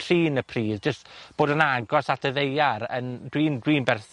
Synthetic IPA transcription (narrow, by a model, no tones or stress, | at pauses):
tʰriːnəpʰriːðd͡ʒəstb̥oːdənaɡɔsatʰəðejaɾə̰ndwiːndwiːnbɛrθ